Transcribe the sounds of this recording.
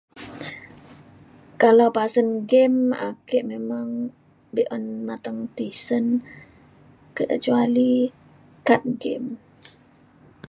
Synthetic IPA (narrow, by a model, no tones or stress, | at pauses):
kalawpasənɡɛma̰kɛʔmemaŋ | biʔɔnmat̪aŋt̪isən | kəʔət͡ʃuali | kat̪̚ɡɛ̰m